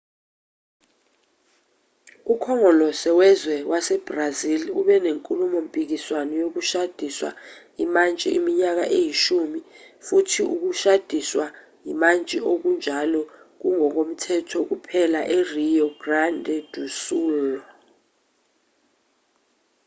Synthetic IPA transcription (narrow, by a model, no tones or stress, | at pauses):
ukʰɔŋɔlɔsɛwɛzwɛwasɛb̥raziluɓɛneŋkʼulumɔm̩pʼik̬iswanɔjok̬uʃad̥ʱiswa̰jimant͡ʃʼḭʔimiɲak̬aʔejiʃumifutʰiṵk̬uʃad̥ʱiswa | jimant͡ʃʼiok̬und͡ʒʱalɔ | k̬uŋɔk̬om̩tʰɛtʰɔk̬upʰɛlaʔerijɔɡ̥randʱɛd̥ʱusuːlɔ